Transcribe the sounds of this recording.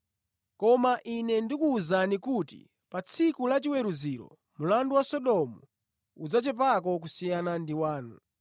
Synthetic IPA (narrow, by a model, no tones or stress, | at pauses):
kɔmaʔinɛndikuːzanikutḭ | pat͡sʰikulat͡ʃiwɛɾuziɾɔ̰ | mulanduwasɔɗɔmu | ud͡zat͡ʃɛp̬ak̬ɔk̬usijanandiwaːnṵ